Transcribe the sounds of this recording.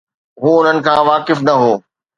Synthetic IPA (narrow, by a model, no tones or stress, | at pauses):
ɦuːʊn̤ənɪ̆kʰãːʋaːkɪfnɐɦoː